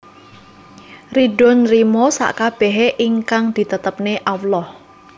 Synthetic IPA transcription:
riɖɔ̤nrimosa̰ʔkab̥ɛɦeʔiŋkaŋd̪̥i̤t̪ət̪əp̚neʔawlɔh

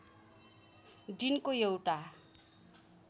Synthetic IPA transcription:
ɖinkojewʈa

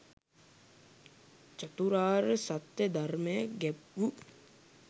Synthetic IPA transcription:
t͡ʃat̪uɾaːɾəsat̪jəd̪arməjəɡɛpʋu

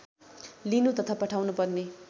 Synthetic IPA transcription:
linut̪ʌt̪ʰapʌʈʰawnupʌrne

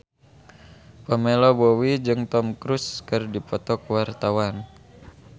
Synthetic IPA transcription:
pəmelɔbowid͡ʒɨŋt̪ɔmkɾuskɨrdipɔt̪ɔkwart̪awan

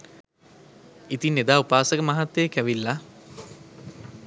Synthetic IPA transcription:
it̪inːed̪aːupaːsəkəmaɦat̪ːejkæʋilːa

